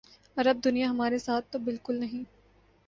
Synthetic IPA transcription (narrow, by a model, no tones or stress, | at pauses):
ɐɾɐb̚d̪ʊnijaɦɐmaːɾesaːt̪ʰːobɪlkʊlnɐɦĩː